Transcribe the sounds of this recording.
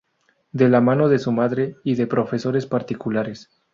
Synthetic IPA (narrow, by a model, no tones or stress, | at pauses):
d̪e̞lamano̞ðe̞sumaðɾe̞iðe̞pɾo̞fe̞soɾe̞spaɾt̪ikulaɾe̞s